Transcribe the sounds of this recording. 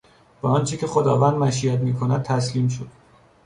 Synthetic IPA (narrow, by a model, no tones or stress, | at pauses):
bæɒnt͡ʃʰecʰe̞xod̪ɒːvænd̪mæʃiæt̪miːkʰonæd̪̚t̪ʰːæsliːmʃ̬od̪̥̚